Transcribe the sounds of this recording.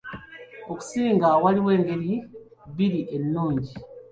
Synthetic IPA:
oku̥siːŋɡawaliwe̞ːŋɡeɾi | βiɾiʔenːoːɲɟi

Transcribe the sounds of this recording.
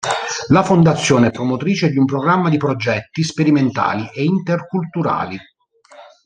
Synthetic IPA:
lafond̪at̪sːjoːneɛpːɾomot̪ɾiːt͡ʃed̪iumpɾoɡɾamːad̪ipɾod͡ʒɛt̪ːispeɾiment̪a̰ːliʔeint̪erkult̪uɾa̰ːli

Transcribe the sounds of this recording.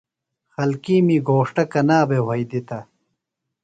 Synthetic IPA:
xɐlkiːmiːɡoːʂʈɐkɐnaːbewɐjd̪it̪ɐ

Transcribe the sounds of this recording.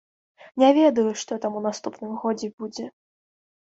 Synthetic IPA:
nʲɛvʲɛd̪ɐjuʂt̪ɔt̪amunast̪upnɨmɣɔd͡zʲɛbud͡zʲɛ

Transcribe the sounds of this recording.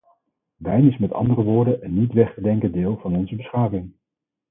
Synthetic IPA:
ʋɛjnɪsmɛtɑ̰ndərəʋʊːɹdənʔənːitʋɛχtədɛŋkədɪːlˠvɑnɔnzəbəsχaːvɪŋ

